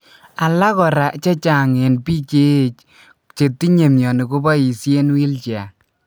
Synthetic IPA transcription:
a˨la˦kɔ˨ɾa˨t͡ʃe˦t͡ʃa˨ŋe˨npi˦t͡ʃe˦˨t͡ʃ | t͡ʃe˨tːi˦ɲe˨mjɔ˨ni˨ku˦bɔ˦i˨sje˦nwi˦lt͡ʃja˨

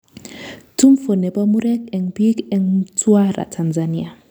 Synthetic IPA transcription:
tu˦mfo˨nɛ˨ba˦mu˦ɾɛ˦kɛ˨ŋpi˦kɛ˦ŋtwa˦ɾa̰˨tʰa˨nza˨ni˦a˨

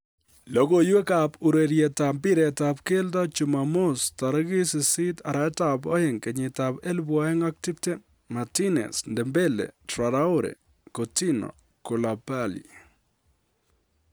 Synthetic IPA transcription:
lokojwe˦kapu˨ɾe˨ɾjɛta˨mbɪ˦ɾɛ˨tapkelta˦t͡ʃumamo˦staɾa˦ɡɪ˦sɪ˨sɪ˦taɾa˦tabo̰˦hɪŋkɛ˨ɲɪ˨tapɛ˦lbwaɛ˦ŋak̚ti˦pte˦ | matinɛ̰˨sndɛmbe˦lḛtɾaɾa˦ʊ˦ɾɛ̰˨ | koti˦no̰˨ | ko˨lapalḭ

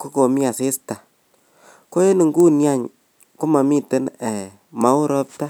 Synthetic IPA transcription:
ko˦ko˨mi˦a˨se˦sta˨ | ko˦je˦ni˨ŋɡu˦nja˦˨ɲ | ku˦ma˨mi˦˨te˦nɛ˨ | ma˨˦u˦ɾɔ˦p̚ta˦

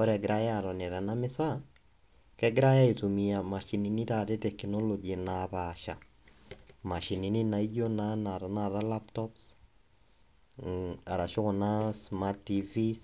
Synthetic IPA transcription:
ɔ˦ɾɛɡɪ˨ɾa˦ja˦˨ɾɔnɛ˨ɾa˨namɪ˦sa˦ | kɛɡɪ˦ɾa˦ja˦i˨tumia˨ma˨ʃi˨ni˨ni˦ta˨te˦tɛknɔ˦lod͡ʒinaβaʃa̰˨ | ma˨ʃi˨ni˨ni˦na˨i˦d͡ʒo˦na˦na˨ɾa˨na˦ɾa˦la˦ptɔps | a˨ɾa˨ʃo˦kɔna˦sma˦ɾtivis

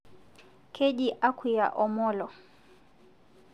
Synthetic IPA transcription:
kʰe˦di˦ʔa˦kʰu˨ja̰˨ʔɔ˨mɔː˦lɔ˨

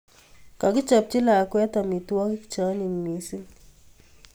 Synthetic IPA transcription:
ka˨ki˦t͡ʃa˨p̚t͡ʃi˦laː˨kwɛ˦ta˨mi˨tu˦a˦ki˦ki̥t͡ʃa˦ni˨mmi˨˦si˦

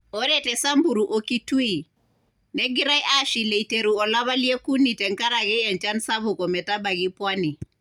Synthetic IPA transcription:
ɔ˦ɾɛ˦˨tɛ˨sa˦mbu˨ɾu˨ʔɔ˨ki˦tu˦i˨ | nɛ˦ɡi˦ɾa˦jʔa˦ʃi˨le˨ite˨ɾu˨ɔ˨la˦βa˦li˦e˦ku˦ni˨tɛ˨ŋka˦ɾa˨ɡɛ˦ɛ˨nt͡ʃa˦nsa˦βʊ˨kɔ˨mɛ˨ta˦ba˨ɡi˦pwa˦ni˨

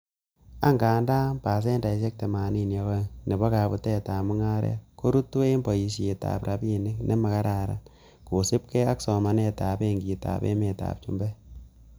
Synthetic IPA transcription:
a˦ŋɡaː˨nda˦mpa˨s̬e˦nda˨ʃe˦k̚te˨maː˨ni˦nje˦kɔ˦ne˨bɔ˦ka˨bu˦te˦taː˨mu˦ŋa˦ɾḛ˦ko˦ɾu˦tːu˦we˦mbɔ˨ji˨ʃe˨ta̰˨pɾa˨bi˦ne˦knʔe˦ma˨ka˦ɾa˨ɾa̰˨ | ko˨se˦p̚ke˦a˦ksɔ˨ma˨˦ne˦taː˨be˦ŋɡi˨ta̰˨pḛ˦me˨ta̰p̚t͡ʃṵ˦mbɛ˦

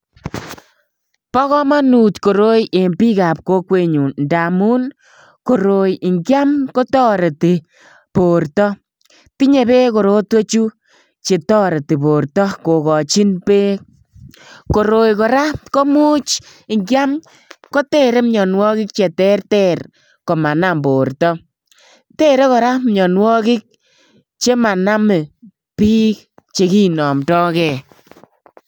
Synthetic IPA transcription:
pɔ˦kɔ˦ma˦nu˨tko˨ɾo˦je˨mpi˦ka˨p̚ko˦kwe˨ɲu˨nda˨mu˦n | ko˨ɾo˨jɪ˨ŋɡja˦mko˦tɔ˦ɾe˨ti˨ | po˨rtɔ˦ | ti˦ɲe˨be˦ko˨ɾo˦twe˦t͡ʃu˦ | t͡ʃe˨tɔ˦ɾe˨ti˨po˨ɾtɔ˦ko˨kɔ˨t͡ʃi˦npe˦ | ko˨ɾo˨jkɔ˨ɾa˦ko˦mu˦t͡ʃ | ɪ˨ŋkja˦m | ko˦tɛ˦ɾe˦mɲɔ˨nwɔ˦kɪ˦k̚t͡ʃe˨tɛ˦rtɛ˦r | ko˨ma˨na˦mbo˨rtɔ˦ | tɛ˦ɾe˦kɔ˨ɾa˦mɲɔ˨nwɔ˦kɪ˦k̚ | t͡ʃe˦ma˨na˦me˨ | piː˦k̚ | t͡ʃe˨˦ki˦nɔ˨mtɔ˦kɛ˨

